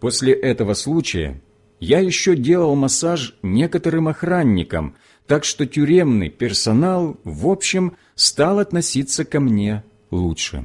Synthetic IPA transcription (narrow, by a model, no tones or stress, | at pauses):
posʲlʲɪʔɛt̪əvəslˠut͡ɕɪjə̰ | jajɪɕːodʲelˠəlˠmɐsaʐnʲe̞kət̪əɾɨmɐxɾanʲːɪkə̰m | t̪akʂt̪o̞tʲʊɾʲe̞mnɨ̰jpʲɪrsɐnalˠvopɕːɪm | st̪alˠɐt̪nɐsʲit̪sːəkɐmnʲe̞ | lˠutʂɨ̰